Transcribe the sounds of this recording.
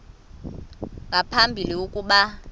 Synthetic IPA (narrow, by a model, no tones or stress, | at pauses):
ŋɡʱapʰambʱiliukʼuɓa